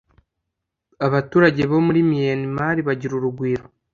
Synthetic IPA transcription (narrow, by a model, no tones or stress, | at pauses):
aβatuːɾaɟe̞βo̞muɾimijenimaɾiβaɟiɾuɾuɡwiːɾo